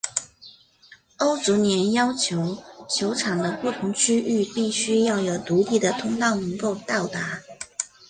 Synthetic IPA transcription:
o˥ʊt͡su˧˥njɛ˧˥njɑ˥ʊt͡ɕʰjo˧˥ʊt͡ɕʰjo˧˥ʊʈ͡ʂʰɑ˨˩ŋd̪ə˦pu˥˩t̪ʰʊ˧˥ŋt͡ɕʰy˥y˥˧pi˥˩ɕy˥jɑ˥˩ʊjo˨˩ʊt̪u˧˥t̪ʰi˨˩d̪ə˦t̪ʰʊ˥ŋt̪ɑ˥˩ʊnɤ˧˥ŋko˥˧ʊt̪ɑ˥˩ʊt̪a˧˥

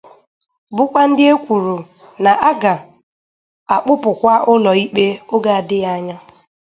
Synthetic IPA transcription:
bʊ˦kʷa˦n̩˦dɪ˦e˦kʷu˨ɾu˨ | na˨ʔa˦ɡa˨ | a˨k͡pʊ˦pʊ˨kʷa˦ʔʊ˦lɔ˨i˦k͡pe˦ʊ˦ɡa˨a˨dɪ˦ja˦ɲa˦

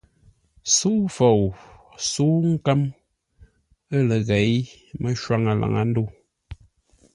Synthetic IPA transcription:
su˦fo˨wsu˦ŋ̩˦ka˦m | ə˦lə˨ɣɛ˨jmə˦ʃwa˦ŋa˨la̰˨ŋa̰˨˦n̩˦do˦˨

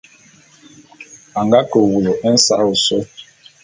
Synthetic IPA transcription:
a˨ŋɡa˦kə˨wu˨lo˨ʔɛ˦n̩˦sa̰˦u˨so˦

